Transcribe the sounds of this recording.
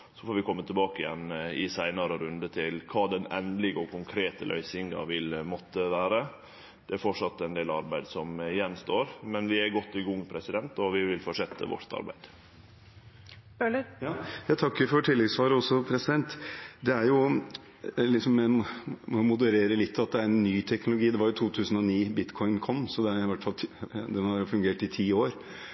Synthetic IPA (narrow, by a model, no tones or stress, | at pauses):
sɔfoːɾʋɪkʰɔmːət̪ʰɛbɑːkəɪjɛ̰nːɪsæɪnɑɾəɾʉnd̪ət̪ʰɪlkʰɑːd̪ɛnɛnd̪lɪɡəɔkʰʊŋkʰɾeːt̪ə̰lʔœ̰ʏsɪŋɑ̰ʋɪlmɔt̪ːəʋæːɾə | d̪̥ɛæɾfɔʈʂɑt̪ːɛnd̪eːlɑɾbæɪd̪sɔmɪjɛnːst̪oːɾmɛnʋɪæɾɡɔt̪ːɪɡʊŋːpʰɾɛsɪd̪ɛnt̪ɔʋɪʋɪlfɔʂɛt̪ʰːə̰ʋɔ̰ɾt̪ɑ̰ɾbæ̰ɪd̪̥ | əjɑːjæɪt̪ʰɑkːəɾfɔʈʰɪlːɛɡsʋɑːɾəɔsːɔpʰɾɛsɪd̪ɛnt̪d̪ɛæɾjʊ | lɪksɔmːɛmɔmʊd̪əɾeːɾəlɪt̪ʰːɑt̪̚d̪ɛæɾɛnːyːt̪ʰɛknʊlʊɡiːd̪ɛʋɑɾjʊt̪ʰuːt̪ʰʉːsənɔniːbɪt̪kʰɔʏnkʰɔmːsɔd̪ɛæɪʋæʈːfɑlʰd̪ɛnhɑɾjʊfʉŋɡeːʈɪt̪ʰiːoːɾ